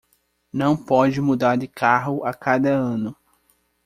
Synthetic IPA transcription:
nɐ̃w̃pɔd͡ʒɪmud̪aɾd̪ɪkʰaɦʊʔakad̪ɐɐ̃nʊ

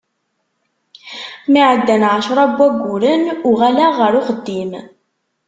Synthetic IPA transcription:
miʕəd̪ːænʕaʃɾˤɑbːæɡʷːʊɾənʊʁælæʁːəɾʊχəd̪ːim

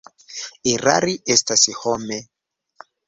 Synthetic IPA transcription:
iɾa̰ɾiʔestashome

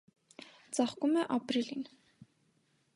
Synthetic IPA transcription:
t͡sɑχkumɛʔɑpɾilin

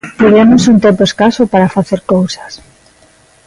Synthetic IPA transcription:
t̪iðemosunt̪empoeskasopaɾafaθeɾkowsḁs

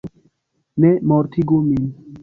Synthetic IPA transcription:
nemɔːɾt̪ʰiɡomin

